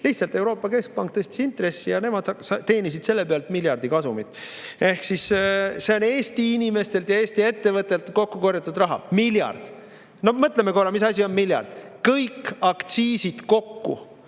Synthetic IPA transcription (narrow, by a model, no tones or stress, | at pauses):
liht̪sɑlt̪e̞uɾo̞ːpːˑɑke̞sk̚pɑŋk̚t̪ɤsʲt̪i̥sint̪re̞sːijɑne̞mɑd̪̥ɑsɑt̪e̞ːnis̬id̪̥se̞lːepeɑlt̪milʲjɑrd̪̥ikɑsumit̪ːˑ | e̞hksisse̞o̞ne̞ːsʲt̪iinime̞st̪e̞lt̪jɑeːsʲt̪ie̞t̪ːe̞vɤt̪ːˑe̞lt̪ˑko̞kːuko̞rjɑt̪ːˑud̪rɑɦɑ̰miljɑ̰rd̪̥ | no̞mɤt̪ˑlemːeko̞rɑmis̬ɑsʲio̞nmiljɑ̰rd̪̥kɤjkɑkt̪siːsid̪̥ko̞kːṵ